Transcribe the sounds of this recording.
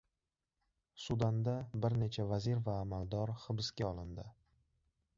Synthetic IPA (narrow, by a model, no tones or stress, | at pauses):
sud̪and̪abɪɾne̞t͡ʃʰavaziɾvaːmald̪ɒɾχɨbɪskʲaɒlˠɪnd̪ɪ